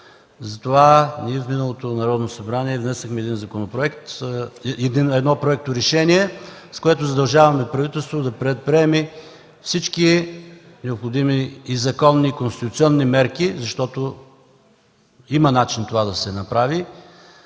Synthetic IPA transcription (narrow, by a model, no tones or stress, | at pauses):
zɐt̪ovaniɛfminɐlˠot̪onɐɾɔd̪nosɐbɾaniɛvnɛsɐxmɛɛd̪inzɐkonopɾoɛkt̪ | ɛd̪inɛd̪nɔpɾoɛk̚t̪oɾɛʃɛniɛskoɛt̪ʊzɐd̪ɐlˠʒavɐmɛpɾɐvit̪ɛlˠst̪vot̪ʊd̪ɐpɾɛt̪̚pɾiɛmi | fsit͡ʃki | nɛopxod̪imiːzɐkɔnːikonst̪it̪ʊt̪sʲiɔnːimɛɾkizɐʃt̪ɔt̪o | imɐnat͡ʃint̪ovad̪ɐsɛnɐpɾavi